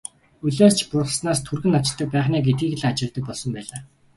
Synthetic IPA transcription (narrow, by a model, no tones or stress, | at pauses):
ɵɮoːst͡ɕʰpʊrχ̆snaːst̪ʰurɣɘ̆nat͡ɕɪ̆ɮt̪ə̆k̚pæːχniːɡet̪̚ɡiːɣ̆ɮat͡ɕɪ̆ɮt̪ə̆k̚pɔɮsɞ̆mpæːɮaː